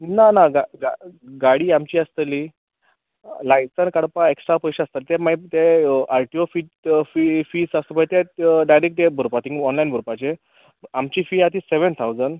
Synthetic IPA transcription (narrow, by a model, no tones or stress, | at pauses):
nanaɡaɡaɡaɽiːamt͡ɕiːast̪əli | lajsənkəɽpaeksʈɾapəjɕeast̪əlt̪ɛmait̪eaɾʈiofiːʈfifiːsasəpət̪ɛɖajɾekʈ̚t̪ebʱuɾpat̪ʰĩŋɡɔnlainbʱuɾpat͡ɕe | amt͡ɕiːfiat̪iːseʋənt̪ʰawd͡zənɖ